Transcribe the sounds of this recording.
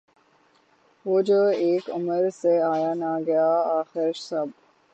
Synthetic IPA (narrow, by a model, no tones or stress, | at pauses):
ʋod͡ʒoːeːkəməɾseaːjaːnaːɡɐjaːaːxɪɾʃsɐb